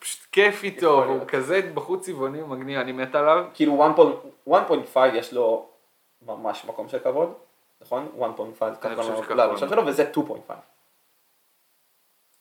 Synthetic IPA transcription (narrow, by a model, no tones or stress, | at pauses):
pʃu̥t̪kefitovukazebaχut͡sivonimaɡnivanimet̪alavkiiːluwanpojnwanpojntfajvjeʃlo | mamaʃmako̞mʃelkavo̞d | naχo̞nwanpojntfajvkakanlaʃemʃelovezetupo̰j̰ntfa̰jv